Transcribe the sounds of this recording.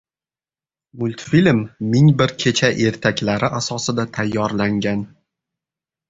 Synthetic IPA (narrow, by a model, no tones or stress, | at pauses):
mʊlʲt̪filmːɪŋbɪɾkʲʰe̞t͡ʃʰaʔe̞ɾt̪ʰakʲlaɾɪʔasɒsɪd̪at̪ʰajːɒɾlaŋɡʲan